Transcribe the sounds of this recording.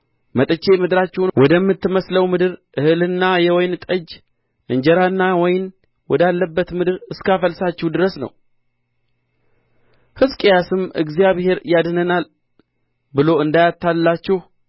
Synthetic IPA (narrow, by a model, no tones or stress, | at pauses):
mət̪ʼɨt͡ʃːe̞mɨd̪ɨɾat͡ʃːɛwnwɔd̪əmːɨt̪ːɨməsləwmɨd̪ɨɾʔɨhɨlɨnːajɛwɔjnt̪ʼəd͡ʒ | ʔɨɲd͡ʒɛɾanːawɔjn | wɔd̪alːəbːət̪mɨd̪ɨɾɨskafəlsat͡ʃːɛwd̪ɨɾəsnə̰w | hɨzkʼejasɨmɨ̰ɡzijaβhe̞ɾjad̪nənal | bɨlo̞ɨnd̪ajat̪ʰːalːat͡ʃːɛh